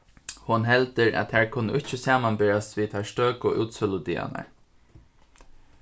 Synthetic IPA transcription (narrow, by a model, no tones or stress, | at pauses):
hʊnɦɛlt̪əɹæ̰t̪ʰhæːɹkʰʊnːə̰ɪt͡ʃːəsaːmanbɪɾasʋiːt̪ʰæst̪øːkʊʔuːt̪sœlʊd̪ḭːa̰na̰ɹ